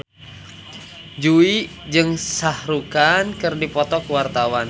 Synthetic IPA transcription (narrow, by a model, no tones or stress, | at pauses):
d͡ʒui | d͡ʒɨŋsahɾukankɨrdipɔt̪ɔkuwart̪awan